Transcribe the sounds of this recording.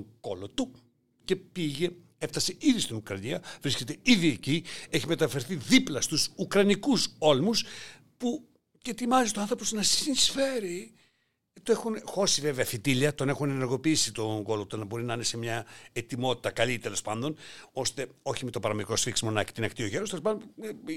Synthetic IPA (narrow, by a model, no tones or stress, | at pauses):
oɡ̥o̞lot̪u | ce̞piʝe̞ | e̞ft̪ɐseiðist̪inukɾɐniɐvɾisce̞t̪e̞iðiecie̞çime̞t̪ɐfe̞ɾθiðiplɐst̪usukɾɐnikuso̞lmus | pu | cet̪imɐzit̪oɐnθɾo̞posnɐse̥sinisfe̞ɾi | t̪ue̞xunxo̞sive̞ve̞ɐθit̪iliɐt̪o̞ne̞xuneneɾɣo̞piisit̪o̞ŋɡo̞lot̪ɐnɐbo̞ɾinɐɐnesemɲɐet̪imo̞t̪i̥t̪ɐkɐlit̪e̞lo̞spɐnd̪o̞nost̪e̞o̞çimet̪opɐɾɐmikɾo̞sfiksimo̞nɐci̥t̪inɐkt̪io̞ʝeɾost̪elopɐnd̪